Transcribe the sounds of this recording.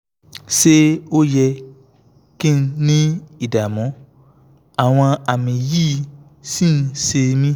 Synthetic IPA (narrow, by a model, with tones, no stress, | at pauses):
ʃe˦o˦jɛ˧ | kĩ˦n̩˦nĩ˦i˦˨da˨mɔ̃˨˦ | a˨w̃ɔ̃˧a˨mĩ˨jiː˦ | sĩ˦n̩˧se˧mĩ˦